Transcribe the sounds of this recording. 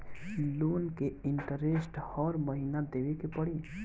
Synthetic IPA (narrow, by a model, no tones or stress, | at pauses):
luːnkeɪɳʈəɾesʈɔːɾməɦinad̪eːʋekepəɽiː